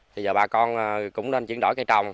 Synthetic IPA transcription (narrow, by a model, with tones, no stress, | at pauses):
t̪ʰi˨˩zəː˨˩ɓaː˨˩kɔ˧nː˨˩kʊ̰˧˥ŋ͡mne˧nt͡ɕi˧˩ənɗo̰˧˩jkaː˧˦jt͡ɕa˨˩wŋ͡m